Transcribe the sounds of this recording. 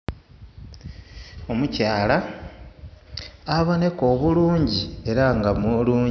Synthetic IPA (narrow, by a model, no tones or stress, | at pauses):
o̞mucaːla | aβone̞ko̞ːβuluːɲɟie̞ɾaŋɡamuluːɲ